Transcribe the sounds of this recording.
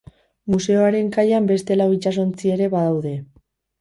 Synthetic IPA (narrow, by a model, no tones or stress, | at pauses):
muse̞o̞aɾe̞ŋkajambe̞st̪e̞laoit͡ʃas̬o̞nt͡sie̞ɾe̞βað̞awðe̞